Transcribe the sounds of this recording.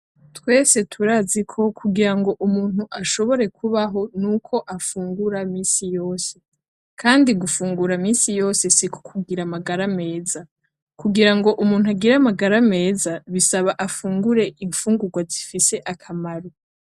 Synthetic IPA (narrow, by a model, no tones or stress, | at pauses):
twe̞ːse̞tʰuɾaːzikʰo̞kʰuɡiɾaŋɡo̞ʔumuːn̥huʔaʃo̞βo̞ɾe̞kʰuβaɦo̞nuːkʰo̞ʔafuːŋɡuɾamiːnsijo̞ːse̞ | kʰaːndiɡufuːŋɡuɾamiːnsijo̞ːse̞siko̥kʰuɡiɾamaɡaɾame̞ːza | kuɡiɾaŋɡo̞ʔumuːn̥uaɡiɾamaɡaɾame̞ːzaβisaβaʔafuːŋɡuɾe̞ʔiɱfuːŋɡuɡwazifise̞ʔakʰamaɾo